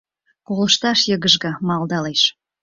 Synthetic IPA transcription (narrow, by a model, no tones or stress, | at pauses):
kolə̆ʃt̪ɑʃjə̆ɣə̆ʒɣɤ̆mɑld̪ɑleʃ